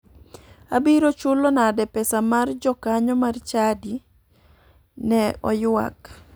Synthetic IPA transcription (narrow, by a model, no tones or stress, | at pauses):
abiɾot͡ʃʊlɔnadɛpɛsamard͡ʒɔkaɲɔmart͡ʃadi | nɛɔjwa̰k